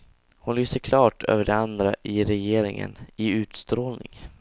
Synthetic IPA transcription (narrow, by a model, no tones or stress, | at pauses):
hʊnlyːsəɾkʰlɑːʈʰø̰ːvəɖɛand̪ɾaʔɪɾɛjeːɾɪŋə̰nɪʉ̟ːt̪st̪ɾoːlnɪ̰ŋ